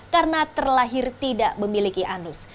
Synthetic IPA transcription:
karənat̪ərlaɦɪrt̪idaʔməmilikiʔanʊs

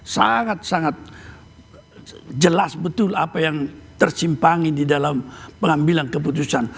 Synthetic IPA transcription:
sa̰ŋat̪̚saŋat̪̚ | d͡ʒəlasbət̪ʊlapajaŋt̪ərsimpaŋididalampəŋambilankəput̪usan

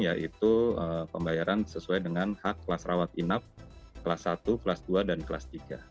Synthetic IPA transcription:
jaʔit̪uəpəmbajaɾansəsuajdəŋanhakːlasrawat̪inap̚kəlasːat̪uklasduadankla̰st̪iɡa̰

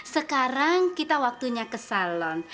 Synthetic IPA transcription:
səkaɾaŋkit̪awak̚t̪uɲakəsalɔn

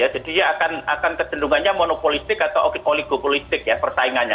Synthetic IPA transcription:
jad͡ʒad̥ijaːkana̰kankəd̪̥ənduŋanɲamonopolist̪ɪkat̪awʔoioliɡ̥opolist̪ɪk̚japərt̪aiŋanɲa̰

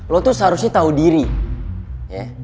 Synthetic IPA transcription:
lɔt̪usɦaɾusɲat̪audiɾi | jɛ

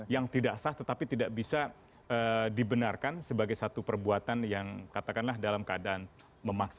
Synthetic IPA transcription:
jaŋt̪idaʔsaht̪ət̪apit̪idaʔbisa | ədibənarkansəbaɡajsat̪upərbuat̪anjaŋkat̪akanlahdalamkəadaʔan | məmaksa

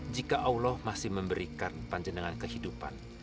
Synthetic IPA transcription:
d͡ʒikaʔaulɔhmasɪhməmbəɾikanpaɲd͡ʒənəŋankəhidupa̰n

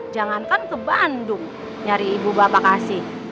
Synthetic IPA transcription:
d͡ʒaŋankankəbandʊŋ | ɲaɾiːbubapakasɪh

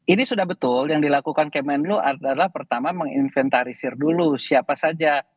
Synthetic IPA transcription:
inisudahbət̪ʊljaŋdilakukankemɛnluʔadalahpərt̪amaməŋḭnfɛnt̪aɾisɪrdulusiapasad͡ʒa

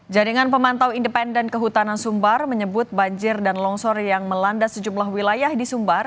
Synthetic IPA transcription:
d͡ʒaɾiŋanpəmant̪awindəpɛndɛnkəɦut̪anansumbarməɲəbʊt̪̚baɲd͡ʒɪrdanlɔŋsɔrjaŋməlandasəd͡ʒumlahwilajahdisumbar

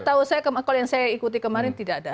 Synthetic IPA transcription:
t̪ausajakəmakɔljaŋsajaikut̪ikəmaɾɪnt̪idaːda

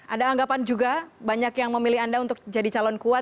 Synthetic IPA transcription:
ʔadaːŋɡapand͡ʒuɡabaɲakjaŋməmilɪɦandaunt̪ʊk̚d͡ʒadit͡ʃalɔnkuat̪

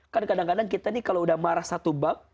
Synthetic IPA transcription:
kankadaŋkadaŋkit̪anikaloudahmaɾahsat̪ubaŋ̚

